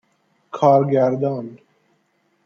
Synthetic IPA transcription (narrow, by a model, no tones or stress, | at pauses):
kʰɑːɾɡæɾd̪ɑːn